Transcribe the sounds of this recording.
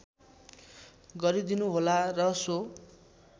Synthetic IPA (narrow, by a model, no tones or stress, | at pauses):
ɡʌɾid̪inuɦolarʌso